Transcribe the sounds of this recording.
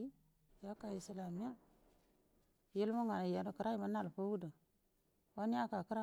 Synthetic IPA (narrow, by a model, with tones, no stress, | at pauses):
i˦ | ja˦ka˨i˨si˨la˨mi˦ja˦˨ | ji˦lma˦ŋa˨ja˨kɾa˦i˨ma˨˦na˦˨lpo˦wu˦da˨ | wa˦ni˦ja˦ka˨kə˦ɾa˦